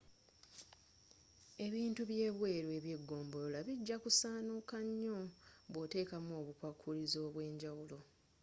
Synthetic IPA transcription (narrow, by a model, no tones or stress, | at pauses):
e̞βiːntuβje̞ːβwe̞ːɾwe̞βje̞ɡːo̞ːmbo̞lolaβiɟːakusaːnukaɲːo̞βwo̞te̞ːkamoːβukwakʰːulizo̞ːβwe̞ːɲɟawulo̞